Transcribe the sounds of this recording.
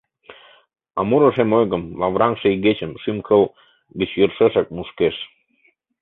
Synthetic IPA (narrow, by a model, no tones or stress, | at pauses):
ɑmuɾə̆ʃemojɣə̆mlɑβɾɑŋʃĕiɣet͡ɕəmʃymkɤ̆l | ɡit͡ɕjərʃeʃɑk̚muʃkeʃ